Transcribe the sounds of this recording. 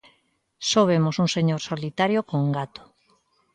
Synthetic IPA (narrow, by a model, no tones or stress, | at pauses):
soβ̞emosuŋseɲoɾsolit̪aɾjokoŋɡat̪o̥